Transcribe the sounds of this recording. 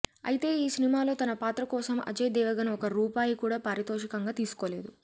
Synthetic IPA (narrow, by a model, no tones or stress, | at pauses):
ɐ̰jit̪e̞ːiːsinimaːlo̞ːt̪ɐnɐpaːt̪ɾɐkɔːsɐmʔɐ̰d͡ʒɐjd̪ɛːʋɐɡɐnɔkɐɾuːpaːjikuːɽaːpaːɾit̪oːʃɐkɐŋɡaːt̪iːsu̥ko̞ːle̞ːd̪u